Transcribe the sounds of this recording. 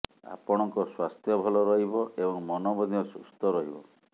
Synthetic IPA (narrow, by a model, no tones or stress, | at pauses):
a̰pɔɽ̃ɔŋkɔswast̪ʰjɔbʱɔlɔɾɔɦibɔʔebɔŋmɔnɔbɔd̪jɔsust̪ɔɾɔɦibɔ̰